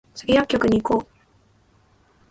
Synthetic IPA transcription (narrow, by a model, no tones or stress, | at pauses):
t͡sɨ̥ɡʲijakʲːo̞kɯ̟ɲ̟iːko̞ː